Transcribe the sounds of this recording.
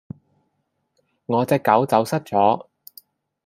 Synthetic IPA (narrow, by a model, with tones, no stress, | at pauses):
ŋɔː˨˧t͡sɛː˧kːɐ˨˥wt͡sɐ˨˥wsɐ˥t̚t͡sɔː˨˥